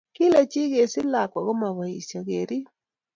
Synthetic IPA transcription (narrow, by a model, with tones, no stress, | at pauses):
ki˦lɛ˨t͡ʃi˦ɣe˨si˦la˨kwa˨ɣɔ˦ma˨βa˨i˨sja˨ɣeɾi˦